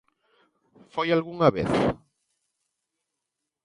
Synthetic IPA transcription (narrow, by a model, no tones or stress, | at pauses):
fojalɣuŋaβḛθ